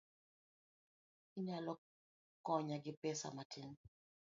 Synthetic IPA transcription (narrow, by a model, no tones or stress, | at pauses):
iɲalɔ | kɔɲaɡɪpɛsa̰matʰiŋ